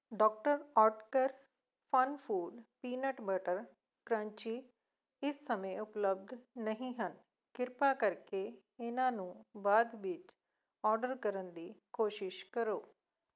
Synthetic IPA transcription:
ɖɔːk̚ʈəɾɔːʈkəɾ | pʰənpʰuːɖpiːnəʈbəʈəɾ | kɾãːɲt͡ʃiː | ɪsːəmẽʊpləb̚d̪nəɦĩːɦən | kɪɾpaːkəɾke | ɪnãːnũːbaːd̪ʋɪt͡ʃ | ɔːɾɖəɾkəɾənd̪iːkoːʃɪʃkəɾoː

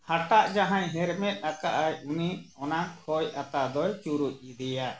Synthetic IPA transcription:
haʈaʔd͡ʒaɦãɲɦɛɾmɛt̪̚ˀnakaʔajuniɔnakʰɔjat̪ad̪ɔjt͡ʃuɾuc̚ˀid̪ɛja

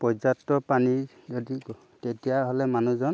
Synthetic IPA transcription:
pɔzatːɔpani | zɔdi | tetijaɦɔlɛmanuzɔn

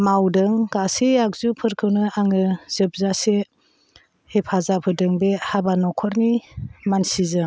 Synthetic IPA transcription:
mawdɯŋkasiak̚zupʰɯɾkʰɯwnɯaŋɯz̥ɯp̚zase | hepʰazapʰɯdɯŋbehabanɔkʰɔɾnimansizɯ

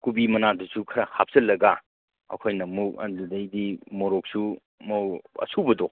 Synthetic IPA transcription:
kubimɐnadusukʰɐɾɐhap̚sɐlːɐɡa | ɐ̰kʰojnɐmuk̚ɐ̰dudɐjdimoɾok̚su | moɐ̰sʰubɐdo

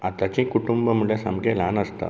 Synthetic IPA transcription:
at̪at͡ɕĩkuʈumbəmuɭesa̰mɡelanəst̪a̰

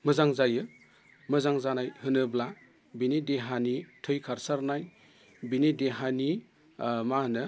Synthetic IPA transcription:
mɯzaŋzajɯ | mɐzaŋzanajhɯnɯbla | binedeɦanitʰɯjkʰaɾsaɾnaj | binedeɦani | manɯ

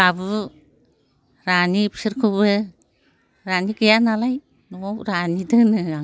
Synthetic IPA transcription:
aβu | ɾanipi̥siɾkʰuβɯ | ɾaniɡejanalaj | nuowɾanidɯnɯa

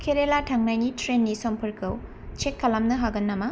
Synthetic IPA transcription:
kʰeɾelatʰaŋnajnitɾenːisɐmpʰɐɾkʰɐw | t͡ʃekʰːɐlamnɐɦaɡɐnːɐma

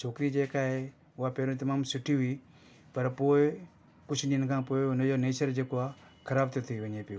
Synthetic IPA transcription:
t͡ʃʰoːkɾiːd͡ʒeːkaːɦe | ʊaːpeːɾũt̪̬ɐmaːmsʊʈʰiɦuiː | pɐɾpoːe | kʊt͡ʃʰninkʰãːpoːeʊnɐjoneːsəɾd͡ʒeːkoaːkʰɐɾaːbt̪et̪ʰiʋəɲẽːpiu

